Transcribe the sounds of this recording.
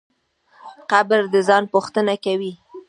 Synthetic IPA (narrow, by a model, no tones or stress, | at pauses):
qabɾd̪əzɑnpuxt̪ənakawi